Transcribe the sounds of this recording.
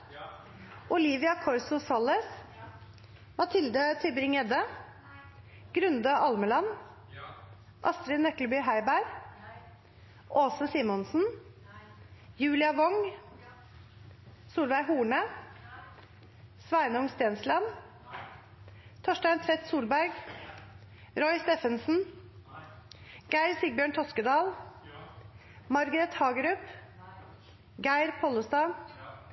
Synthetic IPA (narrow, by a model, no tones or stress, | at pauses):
ʔʊliːʋɪɑkʰɔɾsʊsɑləs | mɑt̪ʰɪld̪ət̪ʰɪbɾɪŋɛd̪ə | ɡ̥ɾʉnd̪əʔɑlməlɑn | ʔɑst̪ɾɪnœklbyːɦæɪbæɾ | ʔoːsəsimɔnsn̩ | jʉːlɪɑʋɔŋ | suːlbæɪɦuːɳə | sʋæɪnəʊŋst̪eːnslɑn | t̪ʰoːʃtæɪnt̪ʰɾɛt̪suːlbæɾɡ | ɾɔʏst̪eːfənsn̩ | ɡ̥æɪɾsiɡ̚bjøːɳt̪ʰɔskəd̪ɑːl | mɑɾɡəɾɛt̪hɑːɡəɾʉːp | ɡæɪɾpʰɔləst̪ɑː